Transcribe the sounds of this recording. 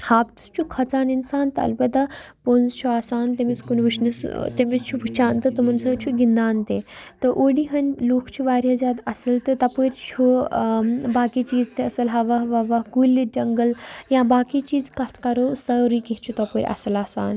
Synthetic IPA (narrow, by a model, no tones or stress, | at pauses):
haːbt̪ɨ̥st͡ʃʰukʰɐt͡saːninsaːnt̪ɐɐ̰lpɐt̪ɐponzt͡ʃʰuaːsaːnt̪emiskunʋiʃnɐst̪emist͡ʃʰubʱɨt͡ʃaːnt̪ɨt̪ɨmɐnsɐt͡ʃʰuɡind̪aːnt̪et̪ɨʔoːɽiɦɐnʲloːkʰt͡ʃʰuʋaːɾjaːzʲjaːd̪ɐsɐlt̪ɨt̪ɐpəɾʲt͡ʃʰu | baːkiːt͡ʃiːzt̪eɐsɐlɦɐʋɐɦʋɐʋɐɦɡulːid͡ʒɐŋɡəljãːbaːkit͡ʃiːzkɐt̪ʰkɐɾoːst̪ɐɾiket͡ʃʰut̪ɐpəɾʲʔa̰sɐlaːsa̰ːn